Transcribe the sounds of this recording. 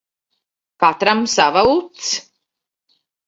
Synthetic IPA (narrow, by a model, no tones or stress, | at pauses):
kat̪ɾamsavaut̪s